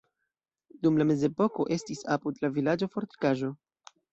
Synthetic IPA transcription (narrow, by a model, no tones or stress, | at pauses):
dumlame̞ze̞po̞ko̞ʔe̞stisapudlavilad͡ʒo̞fo̞ɾti̥kaʒo̞